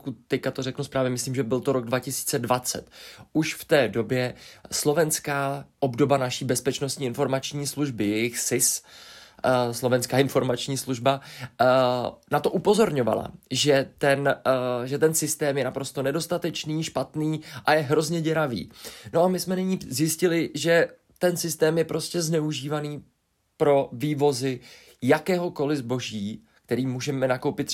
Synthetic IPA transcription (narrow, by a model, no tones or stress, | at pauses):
kut̪t̪ːɛckat̪oɾɛknuspɾaːvɲɛmɪsliːmʒɛbɪlt̪o̞ɾo̞ɡ̚dvacɪsi̥ːt͡sɛdvat͡sɛ̰t̪ʔuʃft̪ɛːdo̞bjɛslo̞vɛnskaːʔo̞bdo̞banaʃiːbɛspɛt͡ʃno̞st̪ɲiːɪnfo̞ɾmat͡ʃɲiːsluʒbɪjɛjɪxsɪs | slo̞vɛnskaːɪnfo̞ɾmat͡ʃɲiːsluʒba | nat̪o̞ʔupo̞zo̞ɾɲo̞va̰la̰ʒɛt̪ɛnʒɛt̪ɛnsɪst̪ɛːmjɛnapɾo̞st̪o̞nɛdo̞st̪at̪ɛt͡ʃniːʃpat̪niːʔajɛɦɾo̞zɲɛɟɛɾavḭːno̞amɪsmɛnɪɲiːzjɪscɪlɪʒɛ | t̪ɛnsɪst̪ɛːmjɛpɾo̞scɛznɛuʒiːvaniː | pɾo̞viːvo̞zɪ | jakɛːɦo̞ko̞lɪzbo̞ʒiː | k̚t̪ɛɾiːmuːʒɛmɛnako̞wpɪt̪